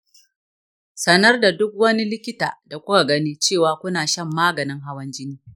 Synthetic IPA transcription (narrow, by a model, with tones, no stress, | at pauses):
sɐ˦nɐ˦rda˨dʊ˦k̚wɐ˦ni˦lɪ˦kʲɪ˦ta̰ː˨da˨kʷʊ˦ka˨ɡɐ˦niː˦t͡ʃeː˦˨waː˨kʷʊ˦naː˨ʃɐ˦˨mːaː˦ɡɐ˨nɪ˦ŋɦa˦wɐ˦nd͡ʒɪ˦niː˦